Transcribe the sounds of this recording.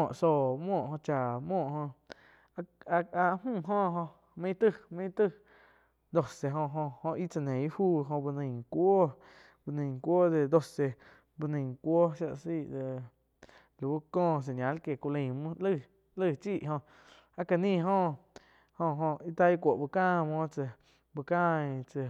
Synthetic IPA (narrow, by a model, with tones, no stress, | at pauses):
ɔ̃˨ʔso˧˨mwɔ̃ː˦˨ʔhõ˧t͡ʃa˨mwɔ̃ː˦˨hõ˧ | a˧˦mũː˦˧˨ɦõ˦ɦõ˧ | mẽ˦t̪ɨ˦˧mẽ˦t̪ɨ˦˨ | d̪o˧se˨ɦõ˧ɦõ˧hõ˧ʔi˦t͡sa˧˨nẽ˨˦huː˦ɦõ˧bu˧nə̃˧˨kʷo˦ | bɨ˧nĩ˧˨ŋ˨kʷoː˦d̪e˧d̪o˧se˧ | bɨ˧nə̃˧˨kʷo˦ʃja˧ʔsi˦˨ʔd̪e˧ | lu˨wu˦kɔ̃ː˦˧˨s̬e˨ɲʲjã˨˦lke˨ku˧lə̃˧˨mũ˦lɨ˦˧˨ | lɨ˦˧˨t͡ʃiː˦˨ʔɦõ˧ʔ | a˧ka˧nĩː˦˧ɦõ˧ | hõ˧ɦõ˧ʔi˧t̪a˧i˦kʷo˨ʔbɨ˧kãː˦˧˨mõː˦t͡sə˧˨ | bɨ˧kãː˦ĩ˧t͡sə˧˨